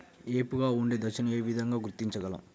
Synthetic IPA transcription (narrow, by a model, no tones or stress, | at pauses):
eːpuɡaːuɳɖeːd̪ɐʃɐnɐeːʋid̪ʱɐŋɡaːɡuɾt̪ːiɲt͡ʃɐɡɐlɐ̰m